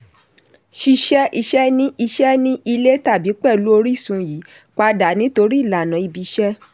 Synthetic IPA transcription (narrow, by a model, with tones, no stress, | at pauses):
ʃi˧ʃɛ˦ʔi˧ʃɛ˦nĩ˦ʔi˧ʃɛ˦nĩ˦ʔi˧le˦ta˦˨bi˨˦k͡pɛ˦˨lu˦o˧ɾi˦˨sũ˧˦ji˨˦ | k͡pa˧da˨nĩ˨˦to˧ɾi˦i˦˨la˨nã˨˦i˧bi˧ʃɛ˦